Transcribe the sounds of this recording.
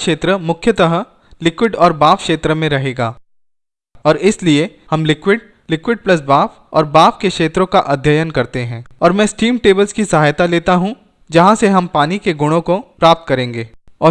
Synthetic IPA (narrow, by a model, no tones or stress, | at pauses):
kʃeːt̪ɾəmʊkʰːjət̪ɐɦə | lɪkwɪɖɔːɾbaːfkʃeːt̪ɾəmẽɾɐɦeːɡaː | ɔːɾɪslie | hɐmlɪkwɪɖ̚ | lɪkwɪɖ̚plɐs̬baːf | ɔ̰ːɾbaːfkekʃeːt̪ɾõkaʔɐd̪ʱjəjənkɐɾt̪eɦɛ̃ːɔːɾmɛ̃ːsʈiːmʈeːbəlskisɐɦaːjt̪aleːt̪aɦũ | d͡ʒɐɦãseɦɐmpaːnikeɡʊɽ̃õkopɾaːp̚t̪̚kɐɾẽːŋɡeːɔː